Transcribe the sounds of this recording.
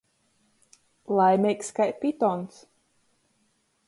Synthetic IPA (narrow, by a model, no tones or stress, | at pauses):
lˠajmʲɛjkskajpit̪ɔns